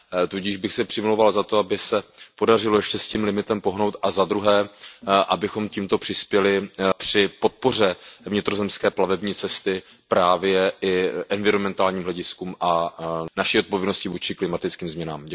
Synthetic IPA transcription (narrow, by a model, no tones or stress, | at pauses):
t̪uɟiːʒbɪxsɛpr̥ɪmɪlowvalzat̪o̞abɪsɛpo̞dar̝ɪlojɛʃcɛsciːmlɪmɪt̪ɛmpo̞ɦno̞wt̪ʔazad̪ɾuɦɛːʔabɪxo̞mciːmt̪o̞pr̥ɪspjɛlɪpr̝̥ɪpo̞t̪̚po̞r̝ɛvɲɪt̪ɾo̞zɛmskɛːplavɛbɲiːt͡sɛst̪ɪ | pɾaːvjɛʔɪʔɛnvɪɾomɛnt̪aːlɲiːmɦlɛɟɪskuːmʔanaʃiːot̪po̞vjɛdnoscɪvuːt͡ʃɪklɪmat̪ɪt͡skiːmzmɲɛnaːmɟɛ